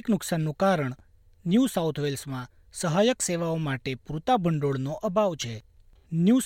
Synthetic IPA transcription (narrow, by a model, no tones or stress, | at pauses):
knʊksanːũkaɾəɳ | njusawt̪ʰʋelsmã | səɦajəkseʋaomaʈepɾut̪abʱəɳɖoɭnoʔəbʱaʋt͡ʃʰe | nju